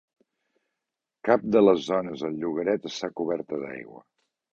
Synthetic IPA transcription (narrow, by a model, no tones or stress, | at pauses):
kap̚d̪ələzːɔnəzəlˠʎuɣəɾɛt̪əst̪akuβɛɾt̪əða̰jɣwə̰